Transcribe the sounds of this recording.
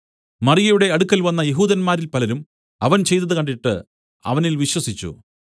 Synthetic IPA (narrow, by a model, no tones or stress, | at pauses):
mɐrijɐjuɽe̞ɐɽukːɐlʋɐnːɐjeɦuːðɐnmaːɾilpɐlɐɾum | ɐʋɐnt͡ɕe̞jt̪̬ːɐðɨkɐɳɖiʈːɨ | ɐ̰ʋɐnilʋiɕwɐsit͡ɕːṵ